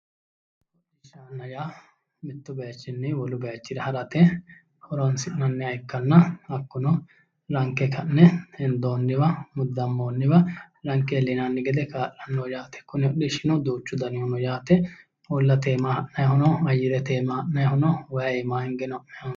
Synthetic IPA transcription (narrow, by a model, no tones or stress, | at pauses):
ɔɪʃaːnːɐjaː | mɪt̪ːʊbɛjɐt͡ʃːɪnːɛwɔlʊbɛɐt͡ʃːɪd̪ɛhɐɾɐt̪ɛ | ʔɔɾonsɪʔnɐnːɛɐjkːɐnːɐɐkːʊnɔ | ɾɐŋkːɛkʰɐnːɛɛnd̪o̞ːnːɪwɐmʊd̪ːɐmːoːnːɪwɐɾɐŋkːɛlɪnanːɪɡɛd̪ɛkaːʔɐnːoːjaːt̪ɛ̥kːʊnɛɔɗɪʃɪnɔd̪uːt͡ʃːʊd̪ɐnɪhɔnɔjaːt̪ɛ | ɔlːɐt̪eːmahɐʔnɐjhʊnɔɐjːɪd̪ɛt̪eːmɐhɐʔnɐjhʊnɔwɐɛmaːhɪŋɡɛnɔɐʔɛjn